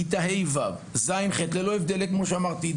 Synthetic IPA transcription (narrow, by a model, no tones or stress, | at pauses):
it̪aɦejvav | zajnχet̪lelo̞evd̪elekmo̞ʃeamaʁt̪i